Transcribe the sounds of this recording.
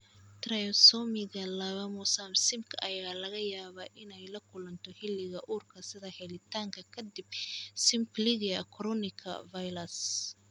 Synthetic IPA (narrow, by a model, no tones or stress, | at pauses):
t̪rɐjɔsɔmɪɣɐlɐβɐmʊsamsɪmkʰʔɐjɐaɣaːlɐɣɐjaːβɐʔɪnɛjlɐkʰʊlɐnt̪ʰɔhɪlːɪɣɐʔuːrkʰɐsɪðɐhɛlɪt̪ʰaːŋkʰɐkʰɐd̪ibsɪmpliɣɪɐkʰɾɔnɪkʰɐ̰vajlɐs